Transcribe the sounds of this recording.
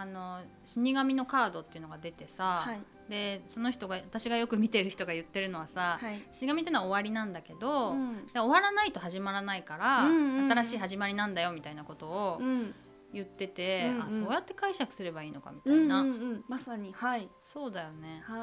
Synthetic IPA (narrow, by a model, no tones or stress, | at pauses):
ano̞ | ɕiɲ̟iɡamʲino̞kaːd̪o̞t̪ːe̞iɯ̟no̞ɡad̪e̞t̪e̞sahai | d̪e̞so̞no̞çi̥t̪o̞ɡaβat̪aɕiɡajo̞kɯ̟mʲit̪e̞ɾɯ̟çi̥t̪o̞ɡajɯ̟t̪ːe̞ɾɯ̟no̞βasahaiɕiɲ̟iɡamʲit̪ːenoaoβaɾʲinãnd̪ake̞d̪o̞d̪eo̞βaɾanait̪o̞ɦaʑimaɾanaikaɾaɯ̃aaɾaɕiːɦaʑimaɾʲinãnd̪ajo̞mʲit̪ainako̞t̪o̞ː | jɯ̟t̪ːe̞t̪e̞asoːjat̪ːekaiɕakɯ̟̥sɨɾe̞baiːno̞ka̰mʲit̪ainamasaɲihaiso̞ːd̪ajo̞ne̞